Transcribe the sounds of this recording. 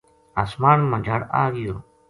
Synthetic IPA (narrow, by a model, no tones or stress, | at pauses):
asmaːnməd͡ʒʱaːɽa̰ːɡɪjoː